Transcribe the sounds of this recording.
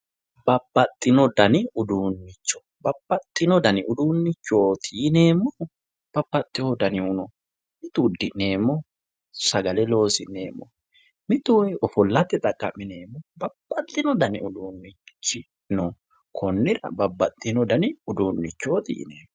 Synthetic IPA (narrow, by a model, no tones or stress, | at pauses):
bɐbːɐt̪ʼːɪnɔd̪ɐnɪʊd̪uːnːɪt͡ʃːɔ̥ | bɐbːɐt̪ʼːɪnɔd̪ɐnɪʊd̪uːnːɪt͡ʃːoːt̪ʰiːne̞ːmːɔ | b̥ɐbːɐt̪ʼːɪhɔd̪ɐnɪʊnɔ | mɪt̪ud̪ɪʔne̞ːmːɔ | sɐɡɐlɛlo̞ːsɪnḛːmːɔ̰ | mɪt̪ujɔfɔlːɐt̪ːɛt̪ʼɐkʼːɐmːɪne̞ːmːɔbɐbːɐt̪ʼːɪnɔd̪ɐnɪ̰ʊd̪uːnːɪt͡ʃːɪ | nɔ | kʰɔnːɪɾɐ̰bɐbːɐt̪ʼːɪnɔd̪ɐnɪʊd̪uːnːɪt͡ʃːoːt̪ḭːnḛːmːɔ